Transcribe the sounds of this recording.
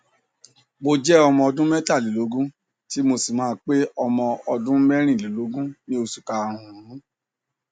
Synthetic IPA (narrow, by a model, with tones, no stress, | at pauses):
mo˧d͡ʒɛ˦ɔ˧mɔ̃˧ɔ˧dũ˦mɛ˦ta˦˨li˨lo˨˦ɡũ˦ | ti˦mo˧si˨mãː˨˦k͡pe˦ɔ˧mɔ̃˧ɔ˧dũ˦mɛ˦ɾ̃ĩ˦˨li˨lo˨˦ɡũ˦nĩ˦o˧su̥˨ka˧˨ɾũ˨ũ˨ɾũ˨˦